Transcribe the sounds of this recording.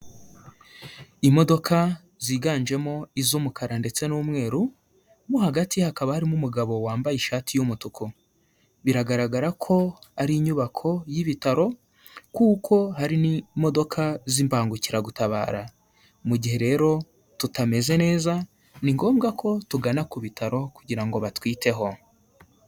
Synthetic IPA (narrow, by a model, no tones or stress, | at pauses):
imo̞do̞kʰa | ziːɡaːnd͡ʒe̞mo̞izuːmukʰaɾande̞t͡se̞numŋe̞ːɾu | mohaɡatihakaβahaɾimumuɡaβo̞waːmbajiʃaːtijumutukʰo | βiɾaɡaɾaɡaɾakʰo̞aɾiɲuβakʰo̞jiβitaɾo̞ | kuːkʰo̞ɦaɾinimo̞do̞kʰaziːmpaːŋɡuciɾaɡutaβa̰ːɾa | muɟihe̞ɾe̞ːɾo̞ | tutame̞ze̞ne̞ːza | niŋɡo̞ːmɡakʰo̞tuɡanakuβitʰaɾo̞kuɟiɾaŋɡo̞βatwiːtʰe̞ɦo̞